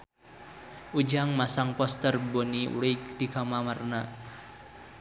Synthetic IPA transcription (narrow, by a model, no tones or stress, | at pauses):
ud͡ʒaŋmasaŋpɔst̪ərboniṵɾikd̥ikamamarna